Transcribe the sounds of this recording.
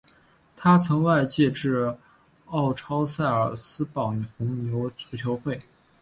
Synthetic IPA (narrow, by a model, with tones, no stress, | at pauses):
t̪ʰa˥t͡sʰɤ˧˥ŋwa˥˧ɪt͡ɕjɛ˥˧ʈ͡ʂɻ̩˥˧ | ɑ˥˩ʊʈ͡ʂʰɑ˥ʊsa˥˩ɪə˞˨˩sɹ̩˥pɑ˨˩ŋxʊ˧˥ŋnjo˧˥ʊt͡sʰu˧˥t͡ɕʰjo˧˥ʊxwe˥˩ɪ